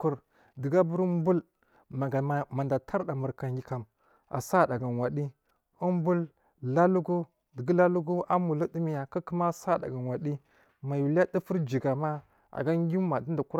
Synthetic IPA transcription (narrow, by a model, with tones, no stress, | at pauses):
ku˨ɾ | də˨ɡa˦bu˦ɾu˦m˦bu˦l | ma˨ɡa˨ma˨nda˨tʰa˦ɾda˨mə˨ɾka˨ŋɡi˨ka˨m | a̰˨sa˦˨ɗa˨ɡa˨nwa˨ɗi˦ | u˦m˦bu˦l | la˦lu˦ɡu˦ | də˨ɡə˦la˦lu˦ɡu˦ʔa˦mu˨lu˦di˦mi˦ja˨ka˦kə˦ma˦sa˦˨da̰˨ɡa˨n˨wa˨ɗi˦ | ma˨u˨la˦di˦fu˦ɾd͡ʒi˨ɡa˨ma˦ | a̰˨ɡa˦ŋ˦ɡʲi˦ma˨di˦nda˨ku˦ɾ